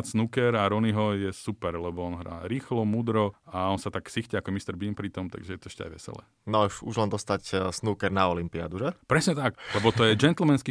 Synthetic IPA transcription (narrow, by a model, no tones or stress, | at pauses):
snukɛɾaɾɔniɦɔjɛsupɛɾlɛbɔɔnɦɾa̰ɾiːxlɔmuːd̪ɾɔaɔnsat̪aksixcɛakɔmist̪ɛɾbinpɾit̪ɔmt̪a̰ɡʒɛjɛt̪ɔɛʃcɛa̰jʋɛ̰sɛ̰lɛ̰ | nɔʃṵʒlɛnd̪ɔst̪acsnuːkɛɾnaɔlimpia̰d̪uʒɛpɾɛsɲɛt̪aklɛbɔt̪ɔjɛd͡ʒɛnt̪l̩mɛnski